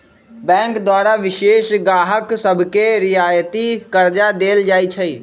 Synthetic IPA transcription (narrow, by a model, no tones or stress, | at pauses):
bɛ̃ːŋkd̪waːɾaʋɪʃeːʃɡaːɦəksəbʱkeɾɪjaːjət̪ikəɾd͡ʒad̪eːld͡ʒaːit͡ʃʰɐiː